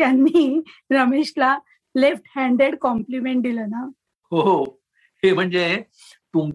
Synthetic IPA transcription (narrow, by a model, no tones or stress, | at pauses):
janːiːɾəmeɕla | lefʈhæ̃ɳɖeɽkɔmplimeɳʈ̚d̪iləna | ho | hem̤əɳd͡ze | t̪um